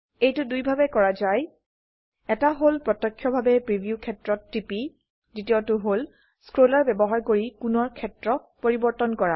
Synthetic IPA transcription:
ejtʊdujbʱabɛkɔɹazaj | ɛtaɦolpɹɔtɔkʰːjɔbʱabɛpɹibʱijukʰɛtɹɔtːipi | zitiotʊɦol | skɹolaɹbɛbɔɦaɹkoɹikʊnɔɹkʰɛtɹɔpoɹibɔɹtɔnkɔɹa

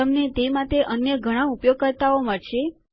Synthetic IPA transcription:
əmnet̪emaʈ̪eʔənjəɡʱəɽ̃ãupjoɡ̚kəɾt̪aomat͡ʃʰe

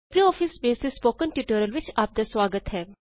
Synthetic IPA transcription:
pɾiɔːfʰɪsbeːsd̪espoːkə̃nʈjuːʈəːɾəlʋɪt͡ʃaːp̚d̪aswaːɡət̪ɦɛː

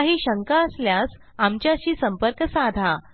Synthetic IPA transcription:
ɦiːɕəŋkaəsljas | amt͡ɕjaɕiːsəmpəɾkəsad̪ʱa

